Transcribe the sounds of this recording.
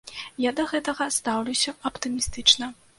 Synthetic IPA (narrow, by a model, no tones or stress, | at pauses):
jad̪ɐɣɛt̪ɐɣɐst̪awlʲusʲɐɐpt̪ɨmʲist̪ɨt͡ʂnɐ